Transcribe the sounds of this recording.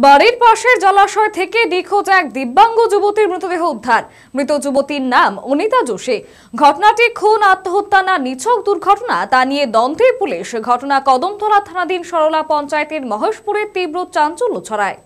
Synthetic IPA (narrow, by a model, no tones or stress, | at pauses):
baɽiɾpaʃeɾd͡ʑalaʃɔet̪ʰekeɖikʰod͡ʑak̚d̪ibːaŋɡod͡ʑubot̪iɾmɾit̪od̪eɦoud̪ʱːaɾ | mɾit̪od͡ʑubot̪iɾnamonit̪ad͡ʑoʃe | ɡʱɔʈonaʈikʰonat̪ːoɦot̪ːananit͡ɕʰok̚d̪uɾɡʱɔʈonat̪anied̪ɔnd̪ʱepuliʃɡʱɔʈonakɔd̪omt̪ʰɔɾat̪ʰanad̪inʃɔɾolapɔnt͡ɕaet̪eɾmɔɦeʃpuɾeɾt̪ibɾot̪̚t͡ɕant͡ɕolːot͡ɕʰɔɾae